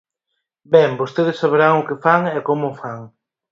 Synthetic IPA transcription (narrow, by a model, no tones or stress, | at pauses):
bɛmbost̪eð̞ɪsaβeɾaŋʊkefaŋɛkomʊfaŋ